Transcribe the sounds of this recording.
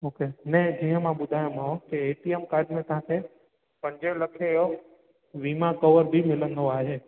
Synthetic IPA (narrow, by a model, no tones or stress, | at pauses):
oːkenɐ̃ɦd͡ʑĩːɦə̃mãɓʊd̪ʱaːjõmãkeeːʈiemkaːɾɖmẽt̪ɐɦãkʰe | pɐ̃ɲd͡ʑelɐkʰeɦo | ʋiːmãkɔʋəɾbʱimɪlə̃nd̪oaːɦeː